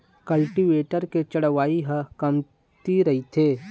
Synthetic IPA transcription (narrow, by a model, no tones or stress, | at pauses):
kɐlʈiʋeːʈəɾket͡ʃɐɽʋaːiɦəkɐm | t̪iɾɐɦit̪ʰeː